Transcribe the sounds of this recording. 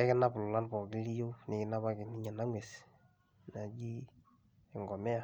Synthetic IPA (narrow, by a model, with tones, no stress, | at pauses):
ɛ˦kɪ˦na˦pʊ˨lʊ˨la˦npɔ˨ɡɪ˦li˦jo˦nɪ˨kɪ˦na˦βa˦kɪ˨ni˦ɲa˨na˦ŋwe˨s | na˨d͡ʒi˦ | ɛ˨ŋɡɔ˨mɛ˦a˦